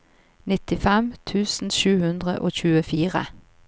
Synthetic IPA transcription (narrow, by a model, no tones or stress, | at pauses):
nɪt̪ɪfɛmt̪ʰʉːsn̩ʃʉːhʉnd̪ʁə̰ʔoːçʉːəfiːʁə̰